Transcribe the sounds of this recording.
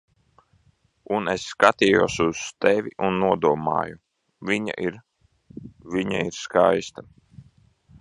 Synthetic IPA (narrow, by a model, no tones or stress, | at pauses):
unesːkat̪iːjuɔsuz̥t̪evʲiʔunːuɔd̪uɔma̰ːju | viɲa̰iɾ | viɲa̰iɾskajst̪a